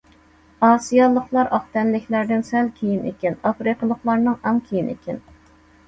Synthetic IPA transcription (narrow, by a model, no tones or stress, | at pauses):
ɑːsijɑlˠəqlˠɑɾʔɑχt̪ɛnlɪkʲlæɾd̪ɪnsɛlkʲʰijinḛkʲinɑfɾiqəlˠəχlˠɑɾnɨŋɑmkʲʰijinḛkʲʰɪn